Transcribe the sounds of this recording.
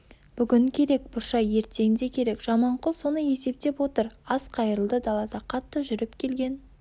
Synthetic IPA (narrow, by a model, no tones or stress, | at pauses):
b̥ʏɡʲɪŋkʲʰe̞ɾe̞k̚b̥ʊɾʃɑje̞ɾt̪e̞ɡʲɪnd̪e̞kʲʰe̞ɾe̞kʒ̥ɑmɑɴqʊlˠso̞nəje̞se̞p̚t̪e̞pwo̞t̪əɾɑsqʰɑjəɾəlˠd̪əd̪ɑlˠɑd̪ɑqʰɑt̪ːəʒʏɾɪpkʲʰe̞lɡʲe̞n